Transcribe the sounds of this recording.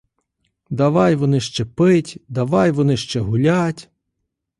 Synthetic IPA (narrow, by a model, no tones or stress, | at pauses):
d̪ɐʋɑjʋɔnɪʃt͡ʃɛpɪtʲd̪ɐʋɑjʋɔnɪʃt͡ʃɛɦʊlʲatʲ